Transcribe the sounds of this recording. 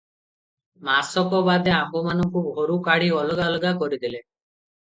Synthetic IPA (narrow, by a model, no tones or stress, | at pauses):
masɔkɔbad̪eambɔmanɔkubʱoɾukaɽiɔlɡalɡakɔɾid̪ile